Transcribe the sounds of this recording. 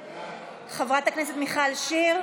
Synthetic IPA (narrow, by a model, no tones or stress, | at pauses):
χavʁat̪akneset̪miχalʃiʁ